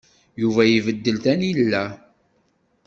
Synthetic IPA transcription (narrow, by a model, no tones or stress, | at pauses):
juvæjivəd̪ːəlt̪ænilːæ